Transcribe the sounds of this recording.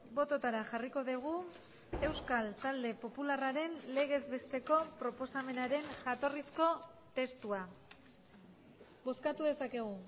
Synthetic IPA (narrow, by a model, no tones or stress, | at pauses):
bo̞t̪o̞t̪aɾaxariko̞ðeɣ̞u | e̞wskalt̪ald̪e̞po̞pularaɾe̞nle̞ɣ̞e̞zβe̞st̪e̞ko̞pɾo̞po̞same̞naɾe̞nʝat̪o̞risko̞t̪e̞st̪ua | bo̞skat̪uðe̞sake̞ɣ̞u